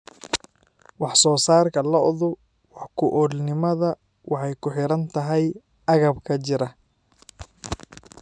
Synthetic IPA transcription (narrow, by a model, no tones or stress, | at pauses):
wɑħsɔːsaːrkʰɐlɐʔɔðʊ | wɑħkʰʊʔɔlnɪmɐðɐ | wɑħɑjkʰʊħɪɾɐnt̪ʰɐɦɛj | ʔɐɣɐbkʰɐt͡ʃɪɾɐ